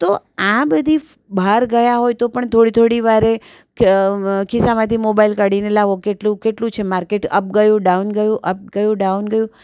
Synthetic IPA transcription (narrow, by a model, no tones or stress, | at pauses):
t̪o | ãbəd̪ʱi | bʱaɾɡəjaɦojt̪opəɳt̪ʰoɽit̪ʰoɽiʋaɾe | kisamãt̪ʰimobailkaɽinelaʋokeʈlũkeʈlũt͡ʃʰemaɾkeʈə̰p̚ɡəjũɖaunɡəjũʔəp̚ɡəjũɖaunɡəjũ